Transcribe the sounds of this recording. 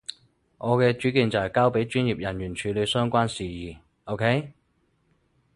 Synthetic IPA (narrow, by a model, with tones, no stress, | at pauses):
ʔɔː˨˧kɛː˧t͡ʃyː˨˥kiː˨˧nt͡sɐ˨˩hjkaː˥wpe˨˥jt͡ʃyː˥njiː˨p̚jɐ˨˩njyː˨˩nt͡ʃʰyː˨˧˥le˨˧sœː˥ŋkʷaː˥nsiː˨jiː˨˩ | ʔo˥wkʰe˥j